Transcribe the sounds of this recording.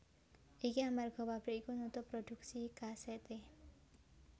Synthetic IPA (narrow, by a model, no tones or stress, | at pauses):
ekiamaɾɡʱɔbapɾeikunut̪ɔpɾɔdʱuksikasɛt̪e